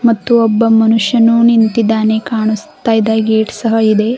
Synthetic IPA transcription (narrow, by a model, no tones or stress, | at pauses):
mɐt̪ːuɔbːɐmɐnuʂjɐnunint̪id̪aːne̞kaːɳust̪aːjd̪aːɡeːʈsɐɦɐid̪e̞